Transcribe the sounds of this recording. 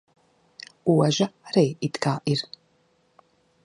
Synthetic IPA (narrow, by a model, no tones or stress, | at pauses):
uwɐʒɐrejitʼɡaːʔir